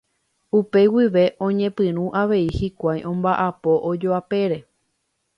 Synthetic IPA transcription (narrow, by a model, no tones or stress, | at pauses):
upe̞wiʋe̞ʔõ̞ɲẽ̞pɨ̃ɾ̃ũʔaʋe̞ihikʷajʔõ̞mbaʔapo̞ʔod͡ʒoape̞ɾe̞